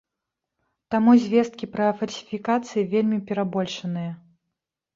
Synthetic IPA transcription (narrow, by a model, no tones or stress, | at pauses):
t̪amuzʲvʲest̪̚kʲipɾɐfɐlʲsʲi̥fʲikat̪sɨjivʲelʲmʲipʲɛɾabɔlʲʂɐnɨjɐ